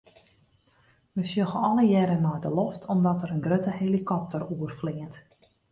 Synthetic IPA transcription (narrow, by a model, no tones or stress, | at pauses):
ʋəsjøɣəɔləjɛɾənɔjdəloftʰɔmdɔtəɾənɡrøtəhelikʰɔp̚təruərflɪənt